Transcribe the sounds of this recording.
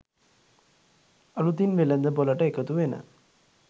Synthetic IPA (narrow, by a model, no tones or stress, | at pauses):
əlut̪inʋelənd̪əboləʈəekət̪uʋenə̰